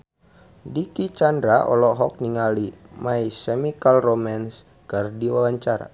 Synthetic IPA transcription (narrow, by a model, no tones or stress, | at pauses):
dikit͡ʃandɾaʔɔ̰lɔɦɔk̚niŋali | maisɛmikalromans | kərdiwawaɲt͡ʃaɾa̰